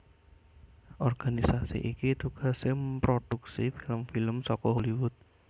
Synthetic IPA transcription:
ʔɔrɡ̥anisasḭʔikit̪uɡ̥a̤sɪmpɾod̥uksifiləmfiləmsɔkɔɦoliwʊt̪̚

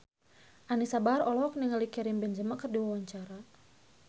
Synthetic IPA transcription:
ʔanisabarɔlɔɔk̚niŋalikɛɾimbɛnd͡ʒəmakərdiwawaɲt͡ʃaɾa

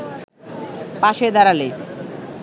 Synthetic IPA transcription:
paʃed̪aɾale

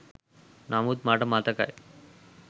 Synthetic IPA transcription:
namut̪maʈəmat̪aka̰j

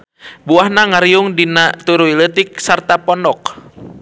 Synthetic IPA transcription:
buahnaŋaɾiʊŋdinat̪uɾuilət̪ik̚sart̪apɔnɔk

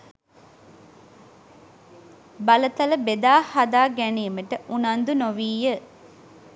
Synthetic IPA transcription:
bɐlət̪ɐləbed̪aːhad̪aːɡæniəməʈəʔunand̪unoʋiːjə

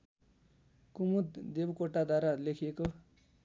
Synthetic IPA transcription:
kumut̪d̪ebkoʈad̪aɾalekʰeko

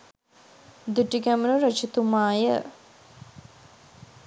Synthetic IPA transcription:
d̪uʈiɡæmənuɾət͡ʃit̪umaːjə

